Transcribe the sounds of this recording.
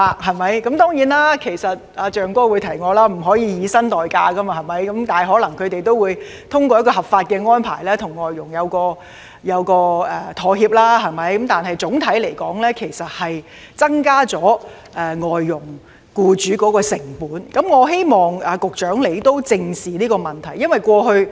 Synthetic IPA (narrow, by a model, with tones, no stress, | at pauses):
a˧ɦɐ˨jmɐ˨˥jkɐ˨˥mt̪ɔː˥ŋjiː˨˥nlaː˥kʰe˨˩jsɐ˨t̚aː˨˧t͡ʃœː˨˩ŋkɔː˥wuː˨˧jt̪ʰɐ˨˩jŋɔː˨˧laː˥m̩˨˩ɦɔː˨˥jiː˨˧jiː˨˧sɐ˥nt̪ɔː˨jkaː˧kɐ˥mɐ˧ɦɐ˨˩jmɐ˨˥jkɐ˨˥mt̪aː˨ɦɔː˨˥lɐ˨˩ŋkʰɵ˨˧t̪e˨jt̪o˥wuː˨˧j | t̪ʰʊ˥ŋkɔː˧jɐ˥kɔː˧hɐ˨p̚faː˧t̚kɛː˧ŋɔː˥npʰa̰ː˨˩jlɛː˥t̪ʰʊ˨˩ŋːɔː˨jːʊ˨˩ŋjɐ˨˧wkɔː˧ | jɐ˨˧wkɔː˧ɛ˨˩t̪ʰɔː˨˧hiː˧p̚laː˥ɦɐ˨jmɐ˨˥jkɐ˨˥mt̪aː˨nɦɐ˨jt͡sʊ˨˥ŋt̪ʰɐ˨˥jle˨˩jkɔː˨˥ŋlɛː˥kʰe˨˩jsɐ˨t̚hɐ˨j | t͡sɐ˥ŋkaː˥t͡sɔː˨˥ | ʔɛ˨ŋɔː˨jːʊ˨˩ŋ | kuː˧t͡ʃyː˨˥kɔː˨˥kɔː˧sɪ˨˩ŋpuː˨˥nkɐ˨˥mŋɔː˨˧ɦe˥jmɔː˨˩ŋaː˨˧kʊ˨k̚t͡ʃœː˨˥ŋle˨˩jt̪o˥wt͡sɪ˧ŋsiː˨niː˥kɔː˧mɐ˨nt̪ʰɐ˨˩jɐ˥nwɐ˨˩jkʷɔː˧ɦɵ˧ɥ